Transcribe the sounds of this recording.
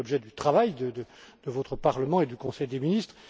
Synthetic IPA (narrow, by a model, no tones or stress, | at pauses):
ɔbʒɛd̪yt̪χavajd̪əd̪əd̪̥əvɔt̪χəpaʁləmɑ̃ed̪ykɔ̃sɛjd̪eminist̪χ